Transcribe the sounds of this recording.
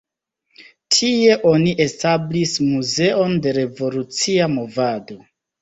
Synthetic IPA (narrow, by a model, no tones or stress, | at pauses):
tʰie̞ʔo̞niʔe̞stablismuze̞o̞nde̞ɾe̞vo̞lut͡siamo̞vado̞